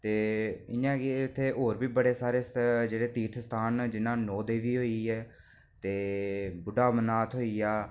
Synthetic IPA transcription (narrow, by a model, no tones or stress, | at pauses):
t̪eːɪnãːkeɪt̪ʰːeːʔɦoːɾbiːbəɽeːsaːɾeːsd͡ʒeːɽeːt̪iːt̪ʰst̪ʰaːnd͡ʒɪnãːnɔːd̪eːʋiːɦoːiːɛː | t̪eːbʊɖaːmənaːt̪ʰɦoːiːaː